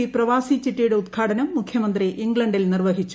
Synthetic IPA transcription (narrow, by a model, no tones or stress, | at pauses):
iprɐʋaːsit͡ɕːiʈːijuɽeut̪ɡʰʱaːʈʰɐnɐmːukʰjɐmɐnd̪riʔiŋɡɭɐɳɖilnirʋɐɦit͡ɕːu